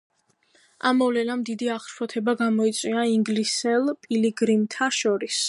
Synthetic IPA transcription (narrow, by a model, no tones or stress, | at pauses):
amːɔvlɛnamd̪id̪iaχʃpʰɔt̪ʰɛbaɡamɔit̪sʼwiaiŋɡlisɛlˠpʼiliɡɾimt̪ʰaʃɔɾis